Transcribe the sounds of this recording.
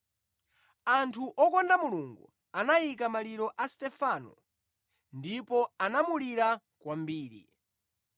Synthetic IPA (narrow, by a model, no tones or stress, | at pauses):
antʰuʔɔkɔndamuluŋɡṵ | anajikamaliɾɔʔastɛfanɔ̰ | ndipɔanamuliɾa | kwambiːɾḭ